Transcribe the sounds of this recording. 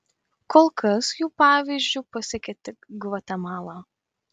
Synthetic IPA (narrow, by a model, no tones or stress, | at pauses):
koːlˠkɐsjuːpɑːʋʲiːzʲd͡ʒʲuːpɐsʲɪkʲɛt̪ʲɪɡʋɐt̪ʲɛmɑːlˠɑː